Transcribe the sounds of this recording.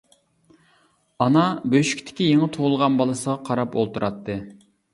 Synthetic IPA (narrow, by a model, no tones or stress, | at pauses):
ɑnɑbøʃy̥kʲt̪ʰɪ̥kʲijeŋət̪ʰolˠʁɑnbɑlˠɨsəʁɑqʰɑɾɑpolˠt̪ʰuɾʔɑt̪ʰːɨ